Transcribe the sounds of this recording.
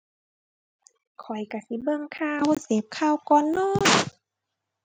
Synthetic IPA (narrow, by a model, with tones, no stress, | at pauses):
kʰɔ˨˩jka˧˩si˧˦bɤ˧˨ŋkʰaː˧˩wo˧˨seː˨˦p̚kʰaː˧˩˨wkɔː˧˦nːɔː˧˥˩